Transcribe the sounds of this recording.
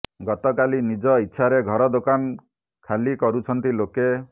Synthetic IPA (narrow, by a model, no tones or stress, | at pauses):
ɡɔt̪ɔkalinid͡ʒɔitːʃʰaɾeɡʱɔɾɔd̪okan | kʰalikɔɾut͡ʃʰɔnt̪iloke